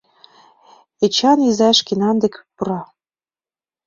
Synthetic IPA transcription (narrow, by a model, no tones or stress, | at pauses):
et͡ɕɑnizɑʃkenɑnd̪ĕkpuɾɑ